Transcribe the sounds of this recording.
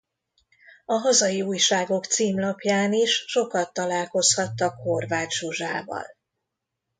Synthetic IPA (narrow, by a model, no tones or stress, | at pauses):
ɒɦɒzɒjiuːjʃaːɡo̞kt̪siːmlɒpjaːniʃʃo̞kɒt̪ːɒlaːlko̞shɒt̪ːɒkho̞rvaːt̪ʃuʒaːvɒ̰l